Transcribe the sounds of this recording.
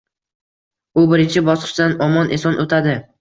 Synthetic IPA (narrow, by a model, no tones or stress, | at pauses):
ʊbɪɾɪnt͡ʃʰɪbɒsqʰɨ̥ʃd̪anɒmɒnʔɪsɒnʔot̪ʰad̪ɪ